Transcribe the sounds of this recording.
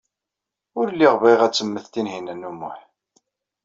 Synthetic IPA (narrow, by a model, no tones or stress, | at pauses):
ʊɾlːiʁvæjʁæt͡sːəmːəθt̪inɦinænːumːʊħ